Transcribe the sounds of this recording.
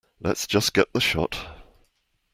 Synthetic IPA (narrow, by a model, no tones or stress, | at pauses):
lə̰tsd̥ʒ̥ʌsɡ̥ɛʔ̪̚ðəʃɒ̰t